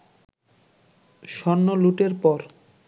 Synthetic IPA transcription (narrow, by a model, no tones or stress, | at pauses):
ʃɔnːoluʈeɾpɔɾ